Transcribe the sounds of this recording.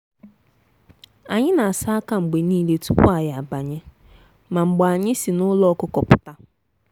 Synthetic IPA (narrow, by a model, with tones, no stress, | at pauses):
a˨ɲɪ˦na˨a˨sa˦ka˦ŋ͡m̩˨ɡ͡be˨niː˦le˦tu˦pʊ̰˦a˨ja˨a˨ba˨ɲe˦ | ma˨ŋ͡m̩˨ɡ͡ba˨a˨ɲɪ˦si˨nʊ˦lɔ˦kʊ˦kɔ˨pʊ˨ta˦